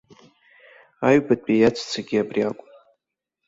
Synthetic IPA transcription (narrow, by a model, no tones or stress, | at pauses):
aɥbadʼpʼejat͡sʰʼt͡sʰaɡʲiabriakʷʼ